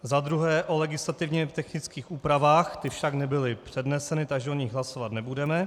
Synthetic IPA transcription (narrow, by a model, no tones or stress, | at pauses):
zad̪ɾuɦɛːʔolɛɡɪslat̪ɪvɲɛt̪ɛxnɪt͡skiːxuːpɾavaːxt̪ɪfʃaɡnɛbɪlɪpr̝̥ɛdnɛsɛnɪt̪aɡʒɛoɲɪɣɦlaso̞vat̪nɛbudɛmɛ